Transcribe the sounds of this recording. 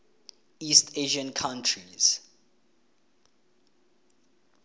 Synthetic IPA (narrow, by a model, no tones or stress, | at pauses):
isteʒiə̃nkʰãʊntʰɹiz̥